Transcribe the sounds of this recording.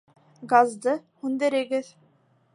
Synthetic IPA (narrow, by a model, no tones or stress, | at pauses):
ɡazd̪ɤhund̪eɾeɡɘð